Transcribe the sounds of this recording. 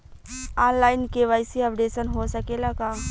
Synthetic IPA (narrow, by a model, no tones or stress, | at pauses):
aːnlaːɪnkeʋaːɪsiɐpɖeːsənɦosɐkelakaː